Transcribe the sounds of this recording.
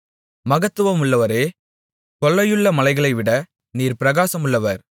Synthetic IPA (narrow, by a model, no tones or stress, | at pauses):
mɐɣɐt̪ːɯʋɐmʊɭːɐʋɐɾeː | kɔɭːɐjɯɭːɐmɐlɐɪɣɐɭɐɪʋɪɽɐ | niːɾpɪɾɐɣaːsɐmʊɭːɐʋɐɾ